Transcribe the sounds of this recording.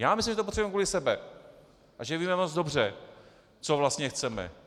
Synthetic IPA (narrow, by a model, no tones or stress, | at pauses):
jaːmɪslimʒɛt̪opot̪rɛwɛmkuːlɪsɛbɛ | ʔaʒɛviːmɛmod͡zdo̞br̝ɛ | t͡sovlast̪ɲɛxt͡sɛmɛ̰